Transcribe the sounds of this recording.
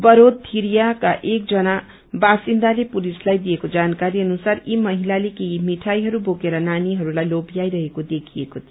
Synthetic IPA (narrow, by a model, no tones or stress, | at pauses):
bʌɾod̪̚t̪ʰiɾijakaʔek̚d͡zʌna | basind̪alepulislajd̪iekod͡zankaɾiʌnusaɾimʌɦilalekeimiʈʰajɦʌɾubokeɾʌnaniɦʌɾulajlobijajɾʌɦekod̪ekʰiekot̪ʰ